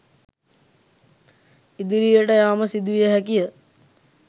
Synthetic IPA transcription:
id̪iɾijəʈəjaːməsid̪uʋijəɦækijə

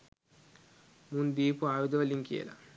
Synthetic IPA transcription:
mund̪iːpuaːʋid̪oʋɐliŋkḭḛlɐ̰

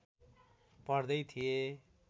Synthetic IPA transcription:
pʌrd̪ʌjt̪ʰie

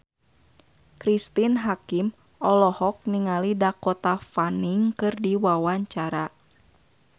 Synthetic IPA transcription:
kɾist̪inɦakim | ʔɔlɔhɔk̚niŋalidakɔt̪afaniŋkɨrdiwawaɲt͡ʃaɾa

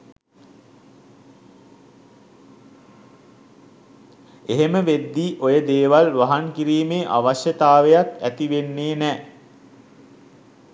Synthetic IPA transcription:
eɦeməʋed̪ːiːʔojəd̪eːʋalʋaɦaŋkiɾiːmeːʔa̰ʋaɕjət̪aːʋejat̪æt̪iʋenːeːnɛː

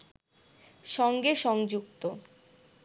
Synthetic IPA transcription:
ʃɔŋɡeʃɔŋd͡ʑukt̪o

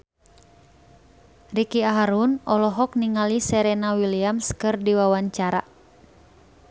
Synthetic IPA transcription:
rikiaɦaɾunɔlɔɦɔkniŋalisɛɾɛnawiliamskɨrdiwawaɲt͡ʃaɾa

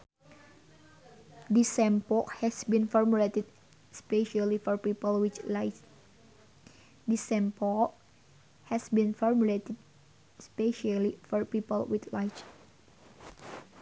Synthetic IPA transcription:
disɛ̃mpɔkhɛsbĩnfɔɹmulet̪ɛd̚ | speʃalifɔɹpipəlwit͡ʃlat͡ʃ | disɛ̃mpɔk̚ | hɛsbĩnfɔɹmuletɛd̚ | speʃalifɔɹpipəlwit̪lat͡ʃ

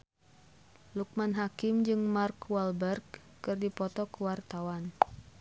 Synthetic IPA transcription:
luk̚manɦakɪmd͡ʒɨŋmarkwalbɛrɡː | ɨrdipɔt̪ɔkuwart̪awan

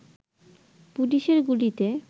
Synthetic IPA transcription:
puliʃeɾɡulit̪e

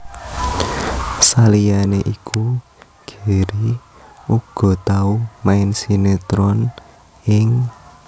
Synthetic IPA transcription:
salijaneʔikʰu | ɡ̥e̤ɾi | uɡ̥ɔ̤t̪aumaɪnsinet̪ɾɔn | ɪŋ

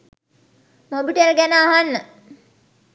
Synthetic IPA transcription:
mobiʈelɡænəːɦanːə

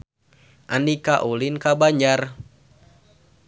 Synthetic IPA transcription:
ʔanikaʔulinkabaɲd͡ʒar

